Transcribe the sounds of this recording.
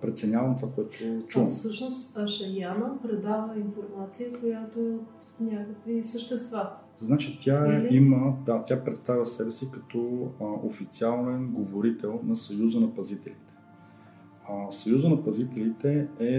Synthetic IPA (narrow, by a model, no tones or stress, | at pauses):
pɾɛt̪sɛnʲavɐmt̪ovakoɛt̪ʊt͡ʃumsɤʃnost̪ɐʃɐɾjanəpɾɛd̪avəinfoɾmat̪sijəkojat̪ot̪ | nʲakəkvisəʃt̪ɛst̪va | znat͡ʃit̪ʰʲaiməd̪at̪ʲapɾɛt̪st̪avʲəsɛbɛsikɐt̪ɔo̰fit̪sialˠnɛnɡovoɾit̪ɛlˠnɐsɐjuzənɐpɐzit̪ɛlit̪ɛ̥ | sɐjuzənɐpɐzit̪ɛlit̪ɛɛ